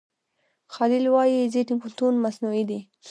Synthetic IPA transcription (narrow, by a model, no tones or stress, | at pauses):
xɑlɪlwɑjizeʈɪŋkʊlt̪unmasnuid̪i